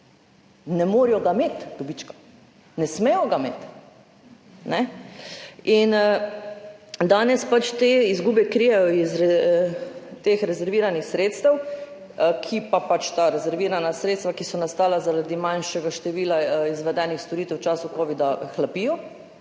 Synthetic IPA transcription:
nɛmoːɾijɔɡameːt̪d̪̥ɔbit͡ʃkḁ | nɛsmejɔɡamḛːt̪ | nɛ | in | d̪aːnɛspat͡ʃt̪eizɡuːbɛkɾijɛjɔizɾɛ | t̪eːxɾɛzɛɾʋiːɾanixsɾeːt̪st̪ɛw | kʰipapat͡ʃt̪aːɾɛzɛɾʋiːɾanasɾet̪st̪ʋakisɔnast̪aːlazaɾad̪imanʃɛɡaʃt̪ɛʋiːlaizʋɛd̪ɛːnixst̪oɾiːt̪ɛwt͡ʃaːsukɔːʋid̪axlapiːjɔ

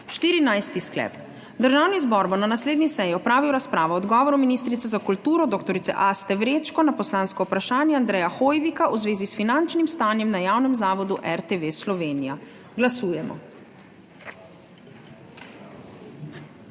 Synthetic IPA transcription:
ʃt̪iːɾinajst̪isklɛ̰ːp | d̪əɾʒaːwnizbɔɾbɔnanasleːd̪nisɛjiɔpɾaːʋiwɾaspɾaːʋɔɔd̪ɡɔːʋɔɾɔminist̪ɾit̪sɛzakult̪uːɾɔd̪oːkt̪ɔɾit̪sɛ̰ʔast̪ɛʋɾeːt͡ʃkɔnapɔslaːnskɔwpɾaʃaːnjɛand̪ɾɛːjaxoːjʋikaʔuzʋeːzisfinant͡ʃnimst̪aːnjɛmnajaːwnɛmzaːʋɔd̪uʔɛɾt̪eʋeslɔʋeːnija | ɡlasuːjɛmʔɔ̰

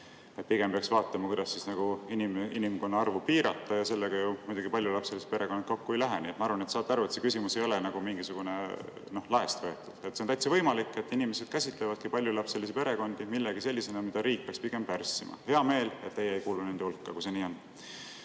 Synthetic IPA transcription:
epiɡ̥e̞mpeɑksvɑːt̪ːˑɑmɑkujd̪̥ɑsːisnɑɡ̥uiniminimko̞nːɑɑrvupiːɾɑt̪ːˑɑjɑse̞lːeɡ̥ɑjumujd̪uɡipɑlʲjulɑpselise̥pe̞ɾe̞kon̥̚ːko̞kːue̞jlæɦeniːet̪mɑɑɾvɑnet̪sɑːt̪ːɑɾuet̪se̞kysʲimuse̞jo̞lenɑɡ̥umiŋɡisuɡ̥une | no̞hlɑe̞st̪vɤe̞t̪ːˑud̪̥et̪senæjt̪sɑvɤ̞jmɑlikːˑe̞t̪ːinimese̞d̪̥kæsʲit̪ˑlevɑd̪̥̚kupɑlʲjulɑpselis̬epe̞ɾe̞ko̞nd̪̥imilːeɡ̥ise̞lʲːise̞nɑmid̪̥ɑɾiːk̚peɑkspiɡ̥e̞mpærsːimɑ̰he̞ɑme̞ːlet̪ːe̞jeːjkuːlune̞nd̪̥eulkːɑkuse̞niːo̞n

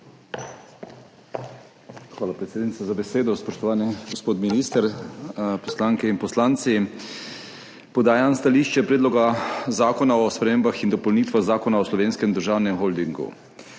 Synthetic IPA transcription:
xʋaːlapɾɛt̪seːd̪nit̪sazabɛseːd̪ɔspɔʃt̪ɔʋaːnɛɡospoːt̪miniːst̪əɾ | pɔslaːŋkɛinpɔslaːnt̪si | pɔd̪aːjanst̪aliːʃt͡ʃɛpɾeːd̪lɔɡazaːkɔnaɔspɾɛmeːmbaxind̪ɔpowniːt̪ʋaɣzaːkɔnaɔslɔʋeːnskɛmd̪əɾʒaːwnɛmxold̪iŋɡṵ

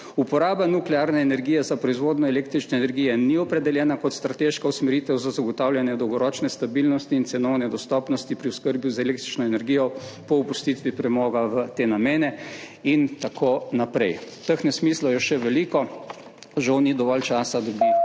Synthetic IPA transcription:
upɔɾaːbanuklɛaːɾnɛːnɛɾɡiːjɛzapɾɔizʋoːd̪nɔɛleːk̚t̪ɾit͡ʃnɛːnɛɾɡijɛniɔpɾɛd̪ɛljɛːnakɔt̪st̪ɾat̪eʃkausmɛɾit̪ɛwzazaɡɔt̪awlʲjanjɛd̪ɔwɡɔɾɔːt͡ʃnɛst̪abilnɔst̪iːnt̪sɛnɔʊnɛd̪ɔst̪ɔːpnɔst̪ipɾiʊskəɾbjuzɛleːk̚t̪ɾit͡ʃnɔɛnɛɾɡiːjɔpɔupust̪it̪ʋipɾɛmɔːɡaʋət̪eːnameːnɛ | int̪akʰonapɾɛj | t̪əxnɛsmislɔjɔʃɛʋɛlikɔ | ʒawnid̪ɔʋɔlt͡ʃaːsad̪ɔbi

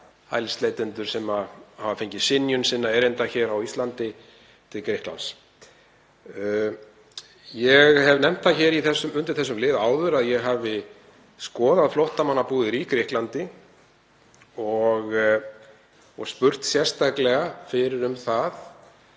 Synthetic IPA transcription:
ha̰jlst̪lejt̪ɪnt̪ʏɾ̥sɛmahavafejɲcɪsɪnjʏnsɪnːaɛɾejnt̪açɛːɾawist̪lant̪ɪ | t̪ʰɪlkɾɪhkla̰ns | jɛɣhɛvnɛm̥t̪θaçɛɾiθɛsːʏmʏnt̪ɪɾ̥θɛs̬ːʏmlɪːðaːwðʏɾaðjɛɣɦaːvɪ | skɔːðaðflɔht̪amanːapuːðɪɾikɾɪhklant̪ɪ | ɔɣ | ɔɣspʏr̥t̪sjɛ̥st̪aklɛɣafɪɾɪɾʏmθaθ

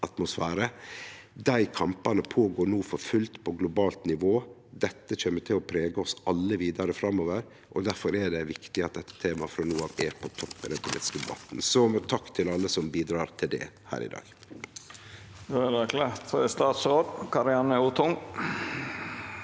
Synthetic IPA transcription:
ɑt̪mʊsfæːɾə | d̪æɪkʰɑmpɑnəpʰoːɡoːɳuːfɔɾfʉlt̪pʰɔɡlʊbɑːlt̪nɪʋoːd̪ɛt̪ːəçeːmət̪ʰɪlɔpʰɾeːɡəɔsɑlːəʋiːd̪ɑɾəfɾɑmːoːʋəɾ | ʔɔd̪æɾfɔɾɛɖɛʋɪkt̪ɪɑt̪̚d̪ɛt̪ːə̥t̪ʰeːmɑfɾɑnuːɑʋeːɾpʰɔt̪ʰɔpːɪd̪ɛ̰npʰʊlḭːt̪ɪ̥skəd̪ɛbɑt̪nsɔt̪ʰɑkːt̪ʰɪlɑlːəsɔmbiːd̪ɾɑːɾt̪ʰɪld̪ɛ̰ | hæ̰ːɾɪ̰d̪ɑ̰ːɡ̥ | d̪oædɛkʰlet̪st̪ɑːt̪sɾoːd̪kʰɑɾɪɑnəut̪ʰʊŋ

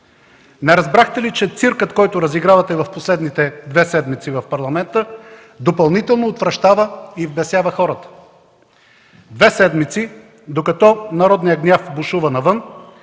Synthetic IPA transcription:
nɛɾɐzbɾaxt̪ɛlit͡ʃɛt̪siɾkət̪kɔjt̪ʊɾɐziɡɾavɐt̪ɛvɐfposlɛd̪nit̪ɛd̪vɛsɛd̪mit̪sivɐfpɐɾlˠɐmɛnt̪ə | d̪opɐlˠnit̪ɛlˠnoːt̪vɾɐʃt̪avəivbɛsjavəxɔɾət̪ə̥ | d̪vɛsɛd̪mit̪si | d̪okɐt̪ɔnɐɾɔd̪nijəɡnʲjafbuʃuvənɐvɤn

